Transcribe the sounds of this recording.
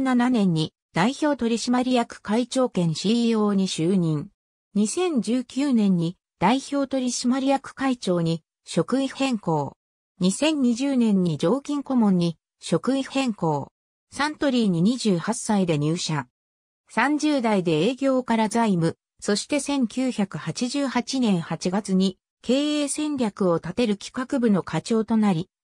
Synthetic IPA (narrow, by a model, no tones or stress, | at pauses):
nananẽ̞ɲ̟ːi | d̪̥aiço̞ːt̪o̞ɾʲiɕimaɾʲijakɯ̟̥kait͡ɕo̞ːkẽ̞ɰ̃ɕio̞ːɲ̟iɕɨːɲĩŋ | ɲ̟isẽ̞ɲ̟d͡ʑɨːkʲɨːnẽ̞ɲ̟ːi | d̪̥aiço̞ːt̪o̞ɾʲiɕimaɾʲijakɯ̟̥kait͡ɕo̞ːɲ̟i | ɕo̞kɯ̟ihẽ̞ŋko̞ː | ɲ̟isẽ̞ɲ̟ːiʑɨːnẽ̞ɲ̟ːid͡ʑo̞ːkʲĩŋko̞mõ̞ɲ̟ːi | ɕo̞kɯ̟ihẽ̞ŋko̞ː | sãnt̪o̞ɾʲiːɲ̟iɲ̟iʑɨːhasːaid̪e̞ɲ̟ɨːɕa | sãɲ̟d͡ʑɨːd̪aid̪e̞eːɡʲo̞ːkaɾazaimɯ̟ | so̞ɕi̥t̪e̞sẽ̞ŋkʲɨːçakɯ̟hat͡ɕiʑɨːhat͡ɕinẽ̞ɰ̃hat͡ɕiɡat͡sɨɲ̟i | ke̞ːeːsẽ̞nɾʲakɯ̟o̞t̪at̪e̞ɾɯ̟kʲi̥kakɯ̟bɯno̞kʰat͡ɕo̞ːt̪o̞naɾʲi